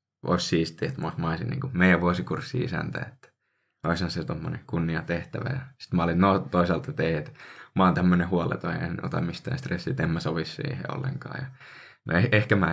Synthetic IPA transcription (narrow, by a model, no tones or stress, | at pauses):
ʔo̰issiːst̪iet̪moˑsmɑisinḭːŋkumeijæʋʋuosikursːiisæ̰nt̪æ̰et̪ːæ̥ | oisɑnset̪omːonḛŋkunːiɑt̪eht̪æʋæ̰jɑsi̥t̪mɑɑlit̪not̪oisɑlt̪et̪eiet̪mɑˑnt̪æmːønehuɑlḛt̪oḛno̰t̪ɑmmist̪æ̰ːnst̪resːit̪emːæsoʋissḭːhḛo̰lːḛŋkɑ̰ːjɑ | no̰eehkæmæ